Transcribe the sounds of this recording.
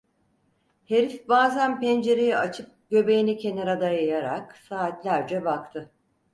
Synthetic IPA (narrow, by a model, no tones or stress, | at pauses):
he̞ɾifbaːzænpænd͡ʒe̞ɾejiat͡ʃʰɯp̚ɟ̥ø̞be̞jinicʰe̞neɾad̪ajajaɾaksaːt̪lʲæɾd͡ʒɛbakt̪ʰɯ